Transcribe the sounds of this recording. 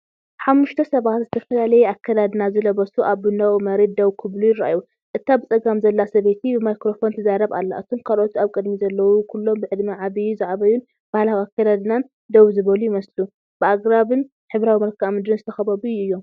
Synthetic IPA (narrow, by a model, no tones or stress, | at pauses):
ħamːuʃt̪ʰɐsɐβat̪zɨt̪ʰɐfɐlalɐjɛakʰːad̪ad̪ɨnazɨlɐβɐsuʔaβbɨnɐwmɐɾe̞d̪̚d̪ɐwkʰɨβlujɪɾa̰ʔaju | ʔɨt̪ʰːabɨt͡sʼɐɡamzɐlːasɐβe̞t̪ʰibɨmajkɾo̞fo̞nt̪ʰɨzaɾɐβa̰lːa̰ʔɨt̪ʰo̞mkʰalʔo̞t̪iaβkʼɨd̪mizɐlːɐwukʰulːo̞mbɨʕɨd̪maʕaβijuzaʕβɐjun | b̥ahlawiakːad̪ad̪nan | d̪ɐwzɨβɐlujɪmɐslu | b̥ɨaɡɾaβɨn | ħɨβɾawimɐɾkʰamɨd̪ɾɨnzɨt̪ʰɐxɐβɐβuuɨjːo̞m